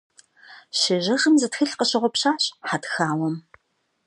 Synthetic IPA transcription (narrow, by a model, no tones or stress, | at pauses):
ɕɪʑɐʁɨmzɨtxɨɬqəɕɪʁʷɔpɕaːɕʼħatxaːwɔm